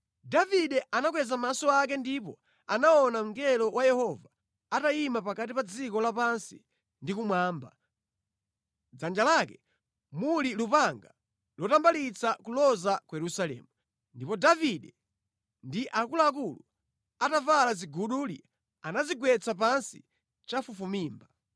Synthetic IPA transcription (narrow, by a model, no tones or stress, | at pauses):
daviɗɛʔanaɡwɛzamasɔak̬ɛndipɔ | anaɔnam̩ŋɡɛlɔwajɛhɔva | atajimapakat̬ipad͡zikɔlapansḭ | ndikumwaːmba | d͡zand͡ʒalakɛ | mulilupaŋɡa | lɔtambalit͡sakulɔzakujɛɾusalɛ̰ːmu | ndipɔdaviɗɛ | ndiʔakulak̬ulu | atavalaziɡuɗuli | anaziɡwɛt͡sap̬ansḭ | t͡ʃafufumiːmba